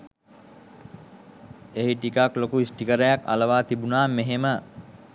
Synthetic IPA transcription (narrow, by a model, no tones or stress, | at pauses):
eɦiʈikaklokuisʈikəɾəjaka̰ləʋaːt̪ibunaːmeɦemə